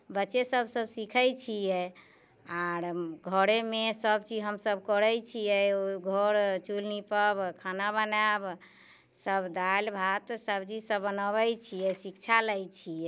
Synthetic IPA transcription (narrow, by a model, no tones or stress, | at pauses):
bətːt͡ʃesəbsəbsikʰəjt͡ʃʰijɛ | aɾɡʱəɾemesəbt͡ʃid͡ʒɦəmsəbkəɾəjt͡ʃʰijɛoɡʱɔɾt͡ʃulnipəbkʰanabənab | səbd̪albʱat̪səbt͡ʃisəbːənəbəjt͡ʃʰijɛsikt͡ʃʰaləjt͡ʃʰijɛ